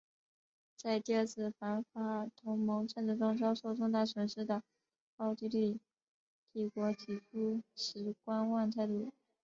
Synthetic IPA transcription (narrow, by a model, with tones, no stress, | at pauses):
t͡sa˥˧ɪt̪i˥˧ə˥˧t͡sʰɹ̩˥˩fa˧˥nfa˧˥t̪ʰʊ˧˥ŋmɤ˧˥ŋʈ͡ʂə˥˧nt͡sɻ̩˥˩ʈ͡ʂʊ˥ŋʈ͡ʂɑ˥ʊʂo˥˩ʊʈ͡ʂʊ˥˧ŋt̪a˥˩swə˨˩nʂɻ̩˥˩d̪ə˩ | ɑ˥ʊt͡ɕi˥ly˥˩ | t̪i˥˩kwɔ˧˥t̪ʰi˨˩ʈ͡ʂʰu˥ʂɻ̩˧˥kwa˥nwa˥˧nt͡sʰa˥˧ɪt̪u˥˩